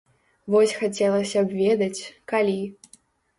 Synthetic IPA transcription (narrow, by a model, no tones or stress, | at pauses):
vɔsʲxat͡sʲɛlˠɐsʲɐbvʲed̪ɐt͡sʲkalʲi